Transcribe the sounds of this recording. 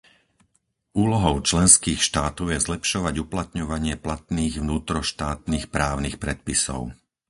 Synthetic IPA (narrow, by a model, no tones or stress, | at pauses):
uːlɔɦɔʊt͡ʃlɛnskiːxʃt̪aːt̪ɔʊjɛzlɛpʃɔʋaɟuplat̪ɲɔʋaɲɪɛplat̪niːɣʋnuːt̪ɾɔʃt̪aːt̪niːxpɾaːʊnixpɾɛt̪̚pisɔ̰ʊ